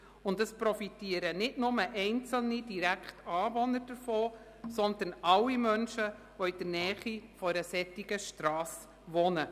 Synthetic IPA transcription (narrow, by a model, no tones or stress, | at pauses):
ʊndəspɾɔfitiːəɾənɪtnʊməʔɛɪnt͡səl̩nid̥iɾækχtɑːvɔnəɾd̥əɾfoː | sɔnd̪ənɑwimœnʃə | ʋɔid̥əɾnɛːχifɔɾəsɛt̪ːiɡəʃtɾɑːs | ʋɔnə